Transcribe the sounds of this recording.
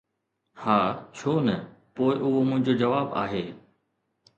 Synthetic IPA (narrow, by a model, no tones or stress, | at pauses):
haːt͡ɕʰoːnɐpoːɪʔʊɦomʊ̃ɦɪ̃ɲd͡ʑoːd͡ʑɐʋaːba̰ːɦeː